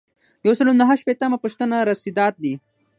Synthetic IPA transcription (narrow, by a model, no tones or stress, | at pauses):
jawsəlonaɦaʃpet̪amapuʃt̪ənaɾɐsid̪ɑːt̪̚d̪i